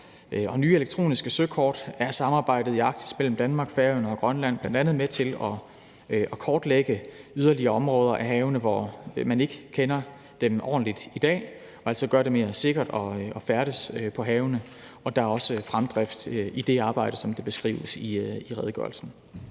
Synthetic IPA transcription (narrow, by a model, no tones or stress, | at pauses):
ɒ̽nyːeleɡ̥̚t͡sʰʁo̝̰ːnisɡ̥əsøkʰɒ̰ːd̥æɐsɑ̈mɑ̈ːb̥ɑ̈ɪ̰d̥ð̞̩ˠiɑ̈ɡ̥̚d̥ʰi̥smel̰m̩d̥ænmɑ̈ːɡ̥fæɐnəɒ̽ɡ̥ʁɶnlæn̰b̥lænd̥ænð̞̩ˠmet͡sʰe̝lɒ̽ | ɒ̽kʰɒːd̥leɡ̥əyð̞ˠɐliɐɒ̽mʁɔːð̞ˠɐʔæɦɛːʊnəʋɒmæne̝ɡ̥əkʰenɐ | d̥emʔɒ̰ːn̩lid̥id̥ɛ̰ː | ɒ̽æl̰sɒ̽ɡ̥ɶɐɾ̥e̝me̝ːɐse̝ɡ̥ɐd̥ɒ̽ɒ̽fæɐɾ̥əsøpʰɒ̽ɦɛːʊnə | ɒ̽d̥ɑ̈æɐɒ̽səfʁamd̥ʁɛfd̥id̥e̝ɑ̈ːb̥ɑ̈ɪ̰dəsɒ̽md̥e̝b̥e̝sɡ̥ʁḭːʊəsiiʁɛð̞ˠɡ̥ɶ̰ɐlsn̩